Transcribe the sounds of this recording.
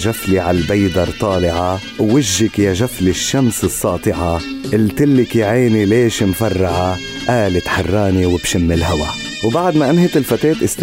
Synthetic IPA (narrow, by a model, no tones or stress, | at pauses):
ʒafliʕalbajd̪ɑɾˤt̪ˤɑːlɪʕa | wːɪʒːɪkjaʒaflɪʃːamsɨsˤːɑːt̪ˤɨʕaʔɪlt̪ɪlːɪkjʕeːnileːʃmfɑrˤːɑʕa | ʔaːlɪt̪ħɑrˤːɑːniwɪbʃɪmːɪlɦawa̰ | wbaʕd̪maʔɪmhɪt̪ɪlfat̪eːt̪ʔɪst̪